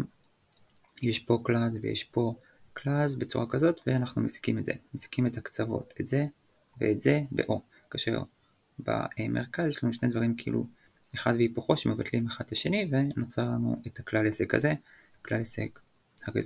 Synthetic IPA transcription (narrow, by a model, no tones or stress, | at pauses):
jeʃpo̞klazvejḛʃpo̞ | klazbet͡suʁakazo̞tveanaχnumesi̥kimetzḛmesi̥kimethakt͡savo̞̰tʰetze̞ | vḛːtzebḛʔo̞̰ | kaːʃḛʁ | ba̰emʔeʁ̞kazjeʃlanuʃned̪vaʁimkeḭlṵ | eχad̪veipuχo̞ʃemevatlimeχad̥̪laʃe̞nivenot͡saʁlanṵʔethaklalesekha̰ze | klalesḛk | haʁḛz